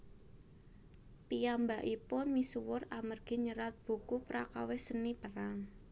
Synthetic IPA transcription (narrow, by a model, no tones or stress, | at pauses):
piambaʔipʊnmisuwʊramərɡ̥i̤ɲəɾat̪̚b̥ṳkupɾakawehsənipəraŋ